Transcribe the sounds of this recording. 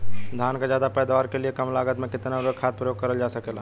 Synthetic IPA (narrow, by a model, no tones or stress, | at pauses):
d̪ʱaːnkazjaːd̪apɛːd̪aʋaːɾkeliekɐmlaːɡət̪mẽkɪt̪naʊɾəkʰaːt̪̚pɾəjoːɡ̚kɐɾəld͡ʒaːsɐkeːlaː